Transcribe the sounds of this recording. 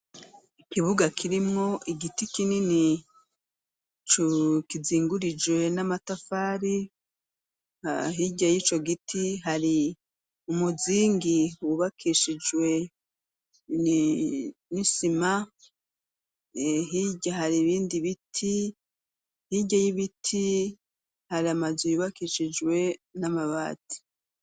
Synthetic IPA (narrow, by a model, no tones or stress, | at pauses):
ikiβuɡakʰiɾimŋo̞ʔiɡitikinini | t͡ʃukiziːŋɡuɾid͡ʒwe̞namatafaːɾi | ɦiɟajit͡ʃo̞ɡitʰiɦaɾi | umuziːŋɡiwuβakʰiʃid͡ʒwe̞ | nisima | ɦiɟaɦaɾiβiːndiβitʰi | hiɟajiβitʰi | haɾiamazujuβakiʃid͡ʒwe̞namaβa̰ːti̥